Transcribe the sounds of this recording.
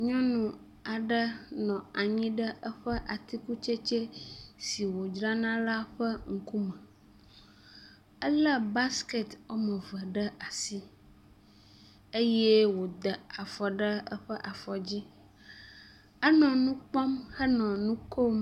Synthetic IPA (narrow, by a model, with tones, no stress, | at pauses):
ɲɔ̃˦nũ˨ | a˨ɖə˦nɔ̃˨a˨ɲĩ˦ɖə˦ə˦ɸə˦ʔa˨t̪i˦ku˦t͡ʃe˦t͡ʃe˦si˨wo˨d͡ʒɾa˦nã˦la˦ɸə˦ŋ̩˦ku˦mə̃˨ | ə˦lə˦ba˦ske˨t̪wo˦mə̃˨və˨ɖə˦ʔa˨si˦ | e˦jɛ˦wo˨d̪ə˨a˨fɔ˨ɖə˦ə̰˦ɸə˦ʔa˨fɔ˨d͡ʑi˦ | ə˦nɔ̃˨nũ˦k͡pɔ˦mhə˦nɔ̃˨nũ˦ko˦m